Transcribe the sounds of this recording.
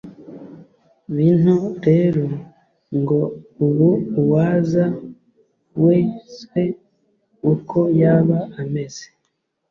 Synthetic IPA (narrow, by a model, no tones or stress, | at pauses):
βin̥huɾe̞ːɾo | ŋɡo̞uβuwaːza | we̞ːswe̞ | ukʰo̞jaːβaame̞z̥e̥